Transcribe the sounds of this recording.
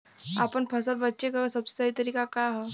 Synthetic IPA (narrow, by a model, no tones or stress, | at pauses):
apəɳpʰəsəlbətːɕekəəsəbst̪əit̪əɾiːkakaɦɔ